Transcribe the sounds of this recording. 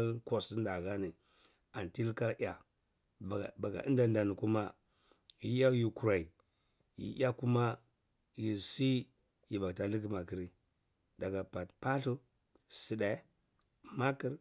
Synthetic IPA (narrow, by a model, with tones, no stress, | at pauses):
ko˨si˦n˦da˨ɣa˦ni˨ | a˨nti˦lka˦ʔa˨ | ba˨ɡa̰˨ʔi˦nda˨n˦da˨ni˨ku˦ma˦ | ji˨ja˦ji˨ku˨ɾa˨i˨ | jḭ˨ʔa˦ku˦ma˦ | ji˨si˦ | ji˨ba˨ɡta˨ɬi˦k̬i˦ma˨ki˨ɾi˦ | da˨ɡa˨pa˨tpa˦ɬu˦ | si˨ɗa˨˦ | ma˦ki˦ɾ